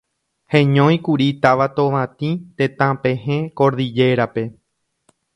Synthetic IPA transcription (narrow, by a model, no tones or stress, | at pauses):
hẽɲõj̃kuɾit̪aʋat̪oʋãt̪ĩt̪ẽt̪ãpẽɦẽkoɾðid͡ʒe̞ɾape̞